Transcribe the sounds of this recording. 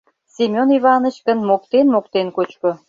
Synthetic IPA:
sʲimʲoniβɑnət͡ɕkənmok̚t̪enmokt̪enkot͡ɕko

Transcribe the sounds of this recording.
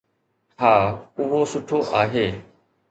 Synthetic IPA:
haːʊɦosʊʈʰoːʔaːɦeː

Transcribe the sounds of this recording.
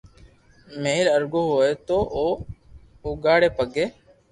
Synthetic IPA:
meːɦɪləɾɡoːɦoːeːt̪oː | oɡaːɽeːpəɡeː

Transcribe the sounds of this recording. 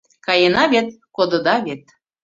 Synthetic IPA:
kɑjenɑβet̪̚kod̪ɤ̆d̪ɑβet̪̚

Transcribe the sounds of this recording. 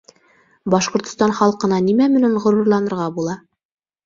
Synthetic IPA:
bɑʃqŏɾt̪ŏ̥st̪ɑnχɑlˠqɤ̆nɑnimæmɘ̆næɴʁŏɾŭɾlˠɑnɤ̆ɾʁɑbulˠɑ

